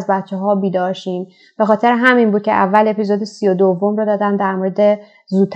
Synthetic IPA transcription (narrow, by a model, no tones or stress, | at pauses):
zbæt̪t͡ʃʰːeɦɒːbiːd̪ɒːɾʃiːm | b̥e̞xɒːt̪ʰe̞ɾeɦæminbuːd̪̚cʰeʔævːæle̞pizod̪esijod̪ovːomɾɒːd̪ɒːd̪ænd̪æɾmoɾed̪e | zuːt̪ʰː